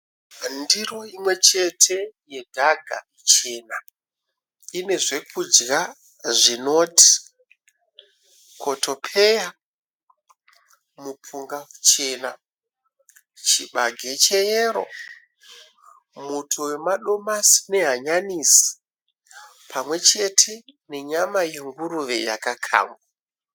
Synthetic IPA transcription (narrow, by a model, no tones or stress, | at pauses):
ndiro̞imwe̞t͡ʃe̞tʰe̞je̞dʱaɡʱa̰ | t͡ʃe̞ːna | ine̞ʐe̞kʰud͡ʒɡa | ʐino̞ːtʰi̥ | kʰo̞tʰo̞pʰe̞ja | mupuŋɡakut͡ʃena | t͡ʃiɓaɡʱe̞t͡ʃe̞jeɾo̞̰ | mutʰuwe̞maɗo̞masi̥ne̞ɦaɲanisi̥ | pʰamwe̞t͡ʃe̞tʰe̞ne̞ɲamaje̞ŋɡuruʋe̞ja̰kakʰa̰ːmɡwa